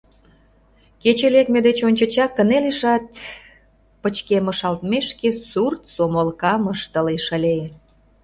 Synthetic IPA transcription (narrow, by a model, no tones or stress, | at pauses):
ket͡ɕelekmed̪et͡ɕonʲt͡ɕə̆t͡ɕɑkːəneliʃɑt̪̚ | pət͡ɕkeməʃɑlt̪meʃkesurt̪somolkɑməʃt̪əleʃəlʲeje